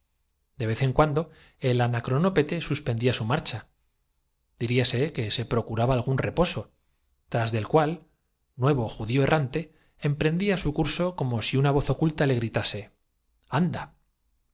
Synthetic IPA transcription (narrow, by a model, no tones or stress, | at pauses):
d̪e̞β̞e̞θe̞ŋkwand̪o̞e̞lanakɾo̞no̞pe̞t̪e̞suspe̞nd̪iasumaɾt͡ʃa | d̪̥iɾiase̞ke̞se̞pɾo̞kuɾaβaːlɣ̞unre̞po̞so̞ | t̪ɾazðe̞lkwal | nwe̞β̞o̞xuðioe̞rʔant̪e̞ː | mpɾe̞nd̪iasukuɾso̞ko̞mo̞siunaβ̞o̞θo̞kult̪ale̞ɣ̞ɾit̪ase̞ | and̪a